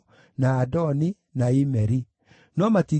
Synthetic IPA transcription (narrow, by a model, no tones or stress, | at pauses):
naːdɔni | naimɛɾi | nɔmati